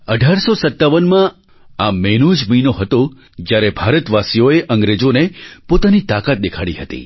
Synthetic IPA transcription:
əɖʱaɾsosət̪ːaʋənmã | amenud͡ʒmiinoɦət̪o | d͡ʒjaɾebʱaɾət̪ʋasijoeʔə̃ŋɡɾed͡ʒonepot̪anit̪akat̪̚d̪ekʰaɽḭɦət̪ḭ

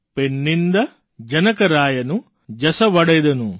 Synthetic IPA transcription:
penːind̪ɐ | d͡ʒɐnɐkɐɾaːjɐnu | d͡ʒɐsɐʋɐɽɛjd̪ɐnu

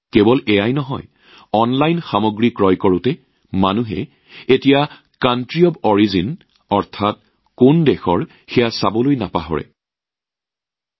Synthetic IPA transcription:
kebɔlɛjajnɔɦɔ̰j | ɔnlajnxamɔɡɹikɹɔjkɔɹʊtɛ | manuɦɛ̰ | etija | kantɹiɔbɔɹizin | ɔɹtʰat̚ | kondɛxɔɹ | xɛjasabɔlojnapaɦɔ̰ɹɛ̰

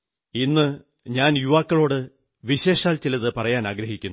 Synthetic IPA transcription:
inːɨ | ɲaːnjuʋaːkːɐɭo̞ːɽɨ | ʋiɕe̞ːʂaːlt͡ɕilɐðɨpɐrɐjaːnaːɡɾɐɦikʲːunː

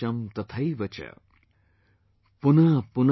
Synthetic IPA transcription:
ɐmt̪ɐt̪ʰɐiʋɐt͡ʃɐ̰ | punɐpun

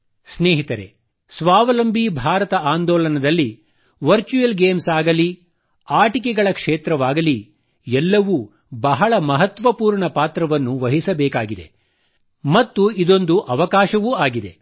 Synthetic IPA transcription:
sneːɦit̪ɐɾe̞̰ | sʋaːʋɐlɐmbʱibʱaːɾɐt̪ɐaːnd̪ɔːɭɐnɐd̪ɐlːi | ʋɐɾt͡ʃujɐlɡeːmsaːɡɐli | aːʈikɛɡɐɭɐkʂeːt̪ɾɐʋaːɡɐli | ɛlːɐʋu | bɐɦɐɭɐmɐɦɐt̪ʋɐpuːɾɳɐpaːt̪ɾɐʋɐnːuʋɐɦisɐbɛːkaːɡid̪ḛ | mɐt̪ːuid̪o̞nd̪uʔɐʋɐkaːʃɐʋuaːɡid̪e̞̰

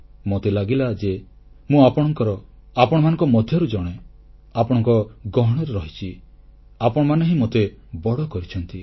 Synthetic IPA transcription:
mot̪elaɡilad͡ʒe | mũapɔɽ̃ɔŋkɔɾɔ | apɔɽ̃ɔmanɔ̃ŋkɔmɔd̪ʱjɔɾud͡ʒɔɽ̃e | apɔɽ̃ɔŋkɔɡɔɦɔɽ̃ɔɾeɾɔɦit͡ʃʰi | apɔɽ̃ɔmanɔɦĩmot̪ebɔɽɔkɔɾit͡ʃʰɔnt̪i

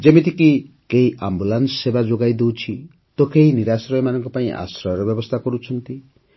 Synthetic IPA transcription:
d͡zemit̪ʰiki | keiʔambulansːebad͡ʒoɡajd̪owt͡sʰi | t̪okeiniɾasɾɔjmanʌŋkɔpaĩʔa̰sɾɔɾɔbjʌbɔst̪ʰakɔɾut͡sʰʌnt̪i

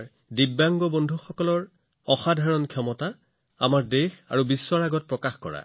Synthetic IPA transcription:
ɹ | dibːaŋɡɔbɔndʱuxɔkɔlɔɹ | ɔxadʱaɹɔnkʰjɔmɔta | a̰maɹdexa̰ɹubisːɔɹaɡɔt̚pɹɔkaxkɔ̰ɹa̰

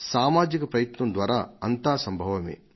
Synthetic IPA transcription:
saːmaːd͡ʒikɐpɾɐjɐt̪nɐnd̪ʋaːɾa̰ːɐnt̪aːsɐmbʱɐʋɐmḛː

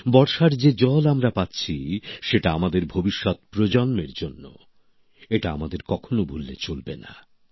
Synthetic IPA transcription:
bɔɾʃaɾd͡ʑed͡ʑɔlamɾapatːɕʰiʃeʈaamad̪eɾbʱobiʃːɔt̪̚pɾod͡ʑɔnmeɾd͡ʑonːo̰ | eʈaamad̪eɾkɔkʰonobʱulːet͡ɕolbena̰

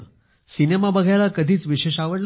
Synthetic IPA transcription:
sinemabəɡʱajlakəd̪ʱiːt͡sʋiɕeɕaʋəɽl

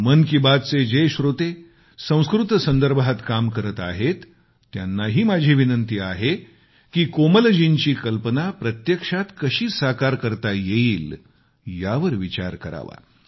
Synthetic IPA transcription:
mənkibad̪t͡sed͡ʑeɕɾot̪e | sə̃w̃skɾut̪sənd̪əɾbʱat̪kamkəɾət̪a̰ɦet̪ː | janːaɦiːmad͡ʑʱiːʋinənt̪iːaɦe | kiːkoməld͡ʑiɲt͡ɕiːkəlpənapɾət̪jəkʂat̪kəɕiːsakaɾkəɾt̪ajeiːl | jaʋəɾʋit͡ɕa̰ɾkəɾa̰ʋa̰

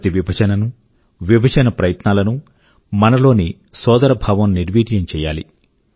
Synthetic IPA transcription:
t̪iʋibʱɐd͡ʒɐnɐnu | ʋibʱɐd͡ʒɐnɐpɾɐjɐt̪naːlɐnu | mɐnɐlo̞ːni | sɔːd̪ɐɾɐbʱaːʋɐmniɾʋiːʈ̪jɐmt͡ʃɛːja̰ːlḭ

